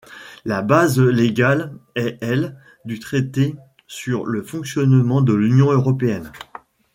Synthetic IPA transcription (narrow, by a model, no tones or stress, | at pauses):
labazleɡʲalɛɛl | d̪yt̪χet̪e | syʁləfɔ̃ksjɔnmɑ̃d̪əlynjɔ̃øʁɔpeɛn